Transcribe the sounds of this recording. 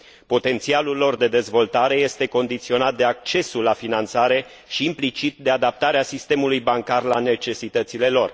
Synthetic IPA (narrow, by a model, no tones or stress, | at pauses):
po̞t̪e̞nt̪sialulːo̞rd̪e̞d̪e̞zvo̞lt̪aɾe̞je̞st̪e̞ko̞nd̪it̪sio̞nat̪̚d̪e̞ak̚t͡ʃe̞sulafinant̪saɾe̞ | ʃiːmplit͡ʃit̪̚d̪e̞ad̪ap̚t̪aɾeasist̪e̞mulujbaŋkarlane̞t͡ʃe̞sit̪ət̪sile̞lo̞r